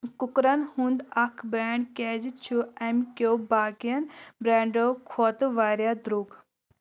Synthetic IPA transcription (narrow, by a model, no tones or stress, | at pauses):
kukɾɐnhũnd̪ɐkʰbɾaːɳɖkeːd͡ʒit͡ʃʰuɐmkʲjobaːkijɐnbɾaːɳɖokʰoːt̪uʋaːɾjad̪ɾuk